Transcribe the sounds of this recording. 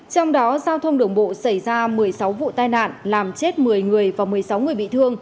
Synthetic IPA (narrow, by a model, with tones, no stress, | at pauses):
t͡ɕɔ˧wŋ͡mɗɔ˨˦zaː˧wt̪ʰə˧wŋ͡mɗɨ˧˩əŋɓo̰˧˨sə˧˩jzaː˧mɨ˨˩əjsa˨˦wvṵ˧˨t̪aː˧jna̰ː˧˨nlaː˨˩mt͡ɕe˦˥t̚mɨ˨˩əjŋɨ˨˩əjvaː˨˩mɨ˨˩əjsa˨˦wŋɨ˨˩əjɓḭ˧˨t̪ʰɨ˧əŋ